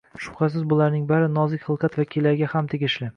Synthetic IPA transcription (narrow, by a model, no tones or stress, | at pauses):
ʃʊ̥χas̬ɪzbʊlaɾnɪŋbaɾɪnɒzɪkʲχɨlˠqʰɑt̪vakʲʰilːaɾɡʲahamt̪ʰeɡʲɪʃlɪ